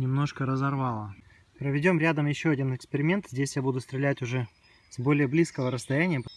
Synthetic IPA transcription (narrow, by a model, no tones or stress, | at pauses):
nʲɪmno̞ʂkəɾəzɐrvɑlˠə | pɾəvʲɪdʲo̞mɾʲæd̪əmjɪɕːo̞ɐdʲinɨkspʲɪɾʲɪmʲe̞nt̪zʲdʲesʲjabud̪ʊst̪ɾʲɪlʲætʲʊʐɛ | z̥bo̞lʲɪjəblʲiskəvəɾəst̪ɐjænʲɪjə